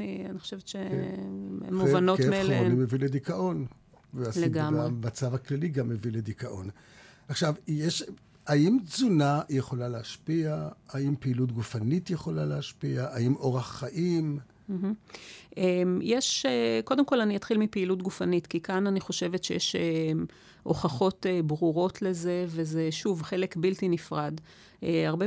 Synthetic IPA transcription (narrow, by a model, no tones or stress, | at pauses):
nianiχoʃevetʃe | ḛmuvanomelamonimeviledikaʔo̞n | vealeɡamʁemat͡savaklaliɡamːeviled̪ikaʔon | aχʃavjeʃ | aimt͡sunajeχo̞laleaʃpiaaimpeilut̬ɡufanitjeχo̞laleaʃpiaʔaimo̞ʁaχːaʔim | m̩ɦ̩ | emjeʃeko̞demko̞lanijat̪χilmipeilutɡufanitkikananiχo̞ʃe̞vetʃejeʃe | ʔo̞̰χaχo̞tebʁuʁo̞tle̞ze̞ve̞ze̞ʃuvχe̞lekbiltinifʁad | eaʁbe